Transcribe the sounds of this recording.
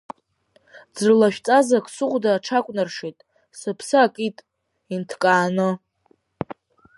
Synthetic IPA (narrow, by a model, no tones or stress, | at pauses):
d͡zrlaʃᶣt͡sʼazakʷʰʼsɨʁʷdaːʈ͡ʂʰakʷʼnarʂitʼ | sɨpʰsɨakʼitʼ | intʰkʼaːnɨ